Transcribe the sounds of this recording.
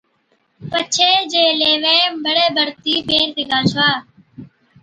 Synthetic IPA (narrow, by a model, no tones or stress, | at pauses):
pət͡ʃʰeːd͡ʒeːleːʋẽːbəɽeːbʱəɾt̪iːbeːɾt̪ɪɡaːt͡ʃʰʋaː